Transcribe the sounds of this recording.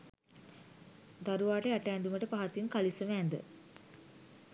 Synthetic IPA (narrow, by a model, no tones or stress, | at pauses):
d̪aɾuʋaːʈəæʈəɛnd̪uməʈəpaɦat̪inkalisəmːnd̪ə̰